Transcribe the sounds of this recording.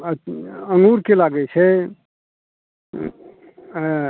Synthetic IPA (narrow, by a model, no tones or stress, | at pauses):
əŋɡuɾkelaɡɛt͡ʃʰɛ